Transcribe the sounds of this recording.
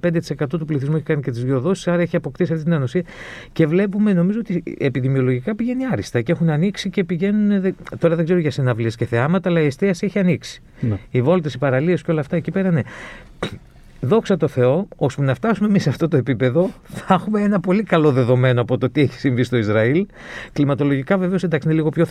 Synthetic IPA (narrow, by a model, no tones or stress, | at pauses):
ped̪et̪i̥se̞kɐt̪ut̪upliθizmueçi̥kɐnice̞t̪izʝoðo̞si̥sɐɾɐeçiɐpo̞kt̪isiɐft̪it̪inɐnosiɐce̞vle̞pume̞no̞mizo̞ot̪iepiðimio̞lo̞ʝikɐpiʝe̞niɐɾist̪ɐcee̞xunɐniksice̞piʝe̞nuneðet̪o̞ɾɐðeɡze̞ɾoʝɐsinɐvliesce̞θe̞ɐmɐt̪ɐːlɐiest̪iɐseçiɐniksi̥ | ivo̞lt̪esipɐɾɐliesceo̞lɐːft̪ɐecipe̞ɾɐne̞ | ðo̞ksɐt̪o̞θe̞o̞ospunɐft̪ɐsume̞miseɐft̪o̞t̪o̞e̞pipe̞ðo̞θexume̞enɐpo̞likɐlo̞ðe̞ðo̞me̞noɐpo̞t̪ot̪ieçi̥siɱvist̪o̞izɾɐil | klimɐt̪o̞lo̞ʝikɐve̞ve̞osind̪ɐksineliɣo̞pço